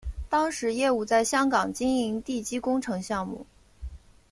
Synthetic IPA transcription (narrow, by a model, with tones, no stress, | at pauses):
t̪ɑ˥ŋʂɻ̩˧˥jɛ˥˧u˥˩t͡sa˥˩ɪɕjɑ˥ŋkɑ˨˩ŋt͡ɕi˥ŋi˧˥ŋt̪i˥˩t͡ɕi˥kʊ˥ŋʈ͡ʂʰɤ˧˥ŋɕjɑ˥˧ŋmṵ˥˩